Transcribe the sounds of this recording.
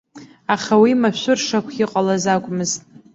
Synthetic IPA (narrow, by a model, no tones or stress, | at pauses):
aχawimaʃʷʊrʂakʷʰiqʼalazakʷʼmɨztʼ